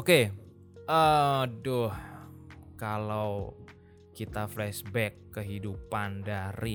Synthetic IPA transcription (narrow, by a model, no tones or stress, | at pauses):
oke | əmdʊh | kalaw | kit̪aflɛsbɛkːəɦidupandaɾi